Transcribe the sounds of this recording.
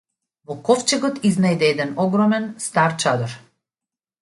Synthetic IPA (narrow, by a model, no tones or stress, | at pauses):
vɔkɔft͡ʃɛɡɔt̪iznajd̪ɛɛd̪ɛnɔɡɾɔmɛnst̪aɾt͡ʃad̪ɔɾ